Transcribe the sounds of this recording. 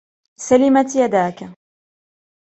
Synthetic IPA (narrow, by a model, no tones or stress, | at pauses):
salɪmat̪jad̪aːka